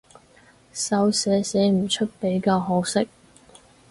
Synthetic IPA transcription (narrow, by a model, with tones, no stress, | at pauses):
sɐ˨˧wsɛː˨˥sɛ˨˥m̩˨˩t͡ʃʰɵ˥t̚pe˨˥jkaː˧wɦo˨˥wsɪ˥k̚